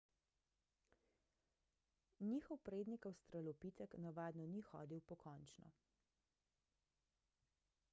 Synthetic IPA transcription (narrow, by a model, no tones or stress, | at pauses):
niːxɔwpɾeːd̪nikawst̪ɾalɔpit̪ɛknaʋaːd̪nɔnixɔ̰ːd̪iwpɔkʰɔːnt͡ʃnɔ̰